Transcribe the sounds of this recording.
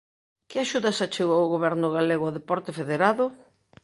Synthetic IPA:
kɪaʃuðasat͡ʃeɣoʊɣoβɛɾnʊɣaleɣʊaðepɔɾt̪ɪfeðeɾaðʊ

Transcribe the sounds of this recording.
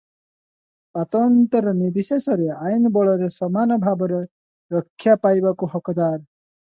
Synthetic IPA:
at̪ɔnt̪ɔɾɔnibisesɔɾeajnɔbɔɭɔɾesɔmanɔbʱabɔɾɔ | ɾɔkʰːjapajbakuɦɔkɔd̪aɾ

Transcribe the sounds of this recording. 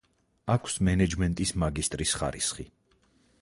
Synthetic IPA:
akʷʰsmɛnɛd͡ʒmɛnt̪ʼismaɡist̪ʼɾisχa̰ɾisχi

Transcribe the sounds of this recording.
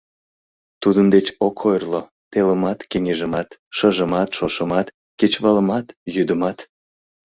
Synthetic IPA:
t̪ud̪ənd̪et͡ɕokʰojrlo | t̪eləmɑt̪keŋeʒəmɑt̪ʃəʒəmɑt̪ʃoʃəmɑt̪ | ket͡ɕβɑləmɑt̪jyd̪əmɑt̪

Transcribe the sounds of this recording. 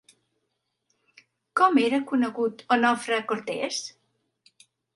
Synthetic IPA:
kɔmeɾəkunəɣut̪onɔfɾəkoɾt̪ɛ̰s

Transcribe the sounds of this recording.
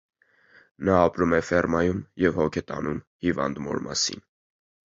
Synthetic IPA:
nɑːpɾumɛfɛrmɑjumjɛvhɔkʰɛt̪ɑ̰num | hivɑ̰nd̪mɔ̰ɾmɑsḭn

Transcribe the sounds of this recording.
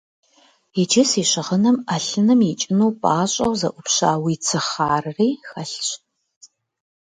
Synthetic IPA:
id͡ʒɪsiːɕɪʁənɐmɐɬɨnɨmit͡ʃʼɪnuːpʼaːɕʼɐwzɐʔʷʊpɕaːwiːt͡sʰɨχaːrɨriːxɐɬt͡ʃ

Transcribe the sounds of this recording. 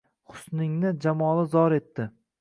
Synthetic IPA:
χʊ̥snɪŋnɪd͡ʒamɒlˠɪzɒɾe̞t̪ːɪ

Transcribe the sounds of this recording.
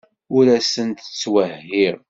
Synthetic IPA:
ʊɾæsənt̪ə̥t͡sːwəɦhːiɾ

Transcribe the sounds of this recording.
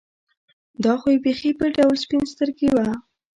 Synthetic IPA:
d̪ɑxojewbexibəɖawlspinst̪əɾɡewa

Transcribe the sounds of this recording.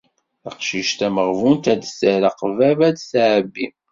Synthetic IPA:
θəqʃiʃt̪æməʁvunt̪æd̪səɾəqvævæd̪sʕəbːim

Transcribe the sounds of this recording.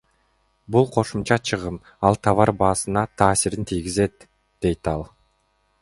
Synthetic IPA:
bulˠqʰo̞ʃumt͡ʃɑt͡ʃʰɯʁɯm | ɑlˠt̪ʰɑβɑɾbɑːsɯnɑt̪ʰɑːsiɾint̪ʰijɡʲize̞t̪ | d̪̥e̞jt̪ɑlˠ

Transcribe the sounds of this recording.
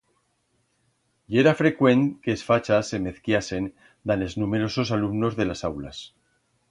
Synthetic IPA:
ie̞ɾafɾe̞kwe̞nkeːsfat͡ʃase̞me̞θkjase̞n | d̪ane̞znume̞ɾo̞so̞salumno̞zðe̞lasawla̰s

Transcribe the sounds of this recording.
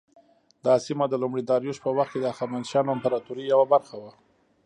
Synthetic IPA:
d̪ɑsimad̪əlumɽid̪ɑɾjuʃpəwaxt̪̚ked̪əaxamand̪ʃɑnampaɾɑt̪uɾijawabaɾxawa

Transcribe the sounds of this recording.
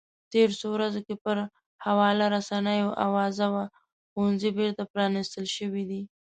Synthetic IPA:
t̪eɾosowɾazokepəɾ | hawɑlaɾasanəjoʔa̰wɑzawa | xunzibeɾt̪apɾɑnist̪əlʃəwid̪i

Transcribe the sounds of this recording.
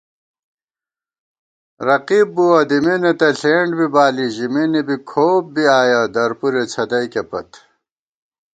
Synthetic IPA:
ɾɐqiːbːuwɐd̪iminet̪ɐɬeːɳɖbibaːliʑiminibikʰoːp̚biaːjad̪ɐɾpuɾet͡sʰɐd̪ɐjkepɐ̰t̪

